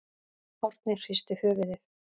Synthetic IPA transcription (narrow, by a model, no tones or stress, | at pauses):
ɔɾ̥t̪nɪr̥ist̪ʏhœːvʏðɪθ